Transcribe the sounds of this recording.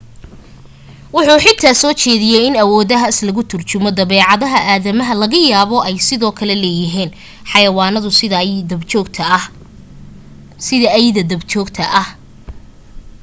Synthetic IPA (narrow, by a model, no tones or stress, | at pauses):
wʊħuːħɪt̪ʰaːsɔːt͡ʃɛːðɪjɛjɪnɐwɔːðɐɦɐslɐɣʊt̪ʰʊrt͡ʃʊmɔd̪ɐβɛːʕɑðɐɦɐʔaːðɐmɐɦɐlɐɣɐjaːβɔʔɛjsɪðɔːkʰɐlɛlɛːjɪɦiːn | ħɑjɐwɑːnɐðʊ | ɔt̪ʰ | sɪðɐʔjðɐd̪ɐbʰɔːɡt̪ʰɐʔɐh